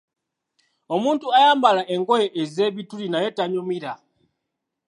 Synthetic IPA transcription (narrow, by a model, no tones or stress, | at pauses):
o̞muːntuajaːmbalaʔe̞ŋɡo̞jeʔeze̞ːβitulinaje̞taɲomiɾa